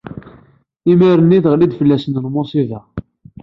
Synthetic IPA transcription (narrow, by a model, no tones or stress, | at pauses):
imiɾənːiθʁlid̪fəlːæsənəlmosiðæ